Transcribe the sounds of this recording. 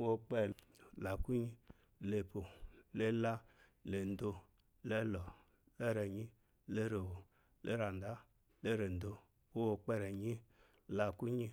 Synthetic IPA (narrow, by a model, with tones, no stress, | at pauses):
wo˧k͡pɛ˧˨ | la˨ku˦ɲi˦ | le˧po˨le˦la˦ | le˨n̩˨do˧ | le˦lɔ˨ | le˦ɾe˨ɲi˦ | le˦ɾe˨wo˨ | le˦ɾa˨n˨da˦ | le˦ɾe˨n̩˨do˧ | wo˦wo˧k͡pe˧ɾe˨ɲi˦ | la˧ku˦ɲi˦